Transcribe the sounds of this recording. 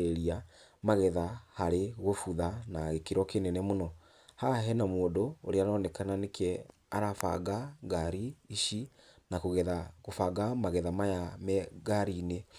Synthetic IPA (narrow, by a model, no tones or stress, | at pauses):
eɾia | maɣɛðahaɾeɣofuðanaɣekeɾɔkenɛnɛmonɔ | haɦɛnamoːndooɾeanɔnɛkananekʰɛ | a̰ɾafa̰ɡaɡaɾiːʃi | nakoɣɛaɣofaɡamaɣɛðamajamɛɣaɾine